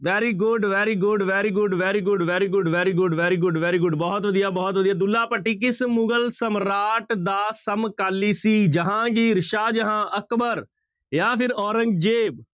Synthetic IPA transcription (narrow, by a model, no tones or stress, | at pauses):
ʋɛːɾiːɡʊɖʋɛːɾiːɡʊɖʋɛːɾiːɡʊɖʋɛːɾiːɡʊɖʋɛːɾiːɡʊɖʋɛːɾiːɡʊɖʋɛːɾiːɡʊɖʋɛːɾiːɡʊɖbɔːt̪ʋəd̪ijaːbɔːt̪ʋəd̪ijaːd̪ʊlːaːpəʈʰːiːk̬ɪsmʊɡəlsəmɾaːʈd̪aːsəmkaːliːsiːd͡ʒəɦãːɡiːɾɪʃaːd͡ʒəɦãːʔəkbəɾ | jaːpʰɪɾɔːɾə̃ŋɡd͡ʒeːb